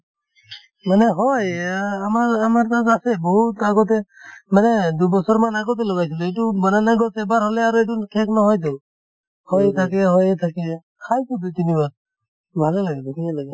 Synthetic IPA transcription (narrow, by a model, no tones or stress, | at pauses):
maneɦɔjamaɾamaɾt̪aasebɔɦut̪aɡɔt̪̬emaned̪ubɔsɔɾmanaɡɔt̪̬elɔɡajs̬ilɔiʈubɔnanaɡɔt̪ɛbaɾɦɔleaɾɔiʈ̬unkʰeknɔɦɔjd̪ɔw | hɔjt̪ʰak̬eɦɔjt̪ʰake | kʰajkud̪ut̪inibaɾ | bʱalelaɡɛd̪ɔkʰinalaɡɛ